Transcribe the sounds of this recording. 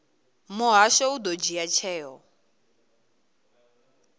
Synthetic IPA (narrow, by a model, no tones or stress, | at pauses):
mʊɦaʃɔud̪od͡ʒiat͡ʃʰɛːɦɔ